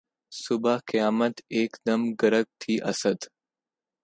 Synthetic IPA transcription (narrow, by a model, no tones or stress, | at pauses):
sʊbaqijaːmət̪eːkd̪ɐmɡɐɾəɡ̚t̪ʰiːʔɐsəd̪